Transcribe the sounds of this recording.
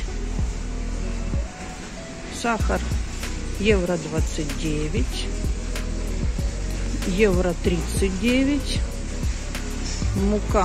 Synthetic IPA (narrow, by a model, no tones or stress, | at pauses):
saxɐr | jɛvɾɐd̪vat̪sɨtʲdʲevʲɪtʲ | jɛvɾɐt̪ɾʲit̪sɨtʲdʲevʲɪtʲ | mʊka